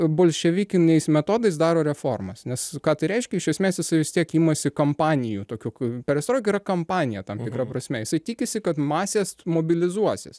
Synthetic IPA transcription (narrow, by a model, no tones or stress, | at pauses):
boːlʲʃʲɛʋʲikʲɪnʲɛɪsmʲɛt̪oːd̪ɐɪsd̪ɑːɾoːɾʲɛfoːrmɐsnʲɛskɑːt̪ɐɪɾʲɛɪʃʲkʲɛɪʃʲɛsʲmʲeːsjɪsɐɪʋʲɪst̪ʲiɛkiːmɐsʲɪkɐmpɑːnʲɪjuːt̪oːkʲukpʲɛɾɛst̪ɾoːkʲɪɾɐkɐmpɑːnʲɪjɛt̪ɐmt̪ʲɪkɾɐpɾɐsʲmʲɛjɪsɐɪt̪ʲɪkʲɪsʲɪkɐt̪mɑːsʲeːsmoːbʲɪlʲɪzuɔsʲɪs